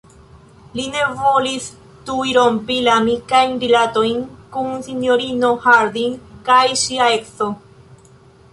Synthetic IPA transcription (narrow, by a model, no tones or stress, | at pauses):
line̞vo̞lis | tujɾo̞mpilamikajnɾilat̪o̞jnkunsino̞ɾino̞haɾd̪iŋkajʃiaekso